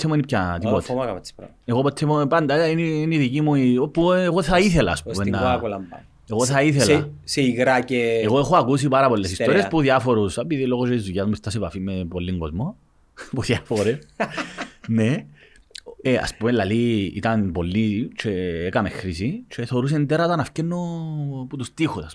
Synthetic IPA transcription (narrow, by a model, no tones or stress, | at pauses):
emunipçɐt̪ipot̪ɐɐ̥ | eɣopot̪ʰːemopɐnd̪ɐineiniðicimuiopːueɣoθɐiθelɐːspumenːɐkulɐm | eɣoθɐiθelseiɣɾɐceeɣoexoɐkus̬ipɐɾɐpolːesist̪oɾiespuðjɐfo̞ɾusɐpiðiloɣot͡ʃeizuʝɐzmuist̪ɐsepɐfimːepolːiŋɡozmo | puðjɐfoɾes | ne | eɐ̰spumelːɐliḭt̪ɐnpo̞lːit͡ʃʰeekɐmexɾisit͡ʃʰeθeoɾus̬ent̪eɾɐt̪ɐnɐfcenːoput̪ust̪ixusɐs